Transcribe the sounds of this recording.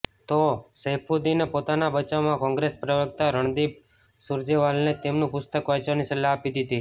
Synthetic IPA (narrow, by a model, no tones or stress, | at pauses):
t̪osəɦpʰud̪inepot̪anabət͡ʃaʋmãkɔ̃ŋɡɾespɾəʋəkt̪aɾəɳ̃d̪ib̚ | sʊɾd͡ʒeʋalnet̪emnũpʊst̪əkʋajt͡ʃʋanisəlaːpid̪it̪i